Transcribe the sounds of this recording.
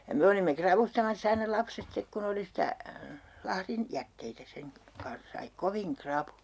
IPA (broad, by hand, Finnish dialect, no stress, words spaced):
jɑ me olimːe krɑʋustɑmɑsː ɑinɑ lɑpset stek kun oli sitæ lɑhrin jætːeitæ seŋ kɑ kɑns sɑi koʋiŋ krɑpujɑ̥